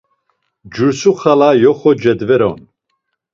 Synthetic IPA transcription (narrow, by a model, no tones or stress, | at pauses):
d͡ʒuɾsuχalajɔχɔd͡ʒɛd̪vɛɾɔ̰n